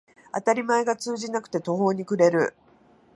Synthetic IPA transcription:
a̰t̪aɾʲimae̞ɡat͡sɨːʑinakɯ̟̥t̪e̞t̪o̞ɦo̞ːɲ̟ikɯ̟ɾe̞ɾɯ̟̰

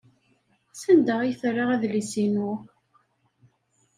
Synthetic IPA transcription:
sænd̪əʁijθrˤːaʁæðlisinu

